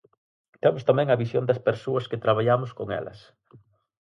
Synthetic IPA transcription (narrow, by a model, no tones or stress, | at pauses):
t̪ɛmʊst̪amɛ̃ŋɐβisjond̪ɐspeɾsoɐskɪt̪ɾaβ̞aʎamʊskoŋɛ̰lɐ̰s